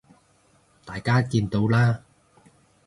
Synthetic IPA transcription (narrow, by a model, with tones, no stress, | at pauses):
t̪aː˨˩jkaː˥kiː˧nt̪o˨˧wlaː˥